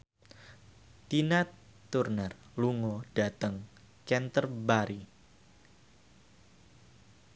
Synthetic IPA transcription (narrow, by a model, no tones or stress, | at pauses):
t̪inat̪ː | urnər | luŋɔd̥at̪əŋ | t͡ʃɛnt̪ərbaɾi